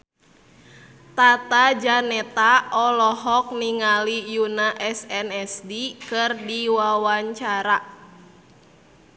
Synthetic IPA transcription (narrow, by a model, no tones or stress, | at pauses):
t̪at̪ad͡ʒanɛt̪aɔlɔɦɔk̚niŋalijunaʔɛsɛnɛsdikɨrdiwawaɲt͡ʃaɾa